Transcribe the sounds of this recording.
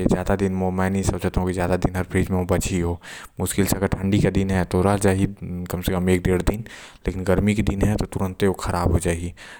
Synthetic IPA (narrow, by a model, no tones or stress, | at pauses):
zjaːd̪ad̪ɪnmomɛ̃nɐĩsəd͡ʒət̪aɦũkizjaːd̪ad̪ɪnɦɐɾpʰɾiːd͡ʒmẽobɐt͡ʃiɦomʊskɪlsaɡəɾʈʰə̃ɳɖikad̪ɪnɦɛt̪oɾad͡ʒaːɦikəmsekəmeːk̚d̪eːɽd̪ɪnleːkɪnɡəɾmiked̪ɪnɦɛt̪ot̪ʊɾə̃nt̪eokʰəɾaːbɦod͡ʒaːeɡi